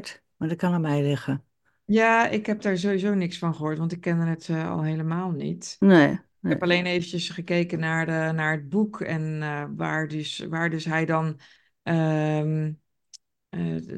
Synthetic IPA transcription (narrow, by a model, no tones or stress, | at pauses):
t | madɪt̚kɑnəmɛjlɪχə | jaːɪkɦɛp̚daːɹzowizoːnɪksfɑnχəɦoːɹtʋɑntɪkːɛndənətɑ̰lˠɦejləmaːlˠnḭtne | ɛpɑlejnejvənəsχəkejkənaːɹnaːɹəd̚bukɛnʋaːɹdʏsʋaːɹdɵsɦɛjdɑn | ʔə